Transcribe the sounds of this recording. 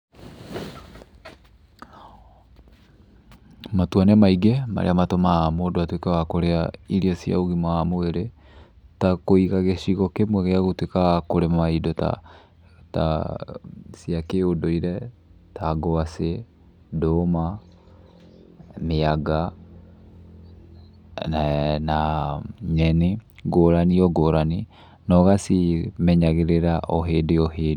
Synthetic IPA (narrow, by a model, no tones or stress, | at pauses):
matwanɛmaiɡɛma̰ɾḛamatomaamodoatwekɛwakoɾeaiɾiɔsja̰oɣimaamoeɾe | takoiɣaɣeɕiɣɔkemwɛɣeaɣotwekakoɾemamaidɔta̰ | ta̰ | siakeodoiɾɛ | taɡɔase | doma | meaɡa | na | ɲɛneɡoɾaniɔɡoɾani | nɔɣasimɛɲaɣeɾeɾaʔɔɦedeɔɦeːd